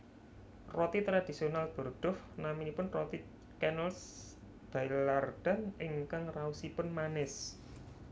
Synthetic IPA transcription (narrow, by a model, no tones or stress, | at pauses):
rɔt̪it̪ɾad̪̥isionalb̥o̤rɖ̪̥ʊf | naminipʊnrɔt̪i | kɛnɛls | b̥ajlard̥a̤nɪŋkaŋrausipʊnmanɪs